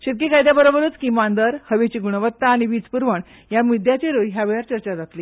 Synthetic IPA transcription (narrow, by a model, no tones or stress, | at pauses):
ɕit̪̚kekajd̪jabəɾobəɾuːt͡skiːmand̪əɾhəʋet͡ɕiɡuɳ̃əʋət̪ːaːñiʋiːd͡zpuɾʋəɳ | jamid̪jat͡ɕeɾujɦjaʋeɭaɾt͡ɕəɾt͡ɕad͡zat̪li